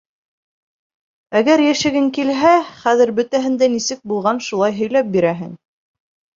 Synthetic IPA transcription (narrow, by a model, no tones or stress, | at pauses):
æɡæɾjæʃɘ̆ɡɘŋkilɦæχæðɘɾbɵ̆t̪æɦɘ̆nd̪ænisɘk̚bulˠʁɑnʃulˠɑjɦɵ̆jlæp̚biɾæɦɘ̰ŋ